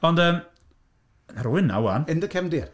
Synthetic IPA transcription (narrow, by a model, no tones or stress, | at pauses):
ɔndəːm | ɾwɪna̰wanɪndəkʰɛmdɪːr